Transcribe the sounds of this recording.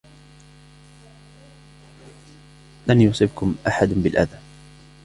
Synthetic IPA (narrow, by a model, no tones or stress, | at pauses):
lanjʊsˤɨbkʊmʔaħad̪bɪlʔa̰ðaː